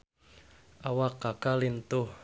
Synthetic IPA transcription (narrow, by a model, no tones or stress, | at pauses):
awakːakalint̪ʊh